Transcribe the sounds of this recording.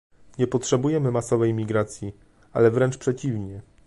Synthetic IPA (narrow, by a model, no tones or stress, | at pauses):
ɲɛpɔtʂɛbujɛmɘmasɔvɛjmʲiɡɾat̪sʲji | a̰lɛvɾɛnt͡ʂpʂɛt͡ɕivɲɛ